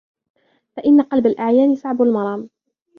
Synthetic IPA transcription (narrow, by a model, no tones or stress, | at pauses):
faʔɪnːaqɑlbalʔaʕjaːnɪsaʕbalmɑɾˤɑːm